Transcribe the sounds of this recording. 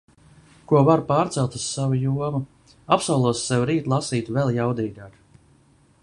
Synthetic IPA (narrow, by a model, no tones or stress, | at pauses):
kuɔvaɾpaːɾt̪sɛlˠt̪u̥sːavujuɔmu | apsawlˠuɔsːɛwɾiːt̪lˠasiːt̪vɛlˠjawd̪iːɡ̪aːk